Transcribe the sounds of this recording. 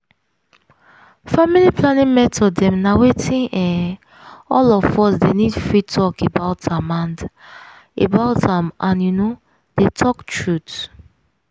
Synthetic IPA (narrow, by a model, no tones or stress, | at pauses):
familipʰlanĩmɛtʰɔdːɛ̃mnawetʰĩnɛ̃ | ɔlɔfɔsdenidfɹitʰɔkebaʊtãmãnd | ebaʊtãmãnjuno | d̥etʰɔktɹut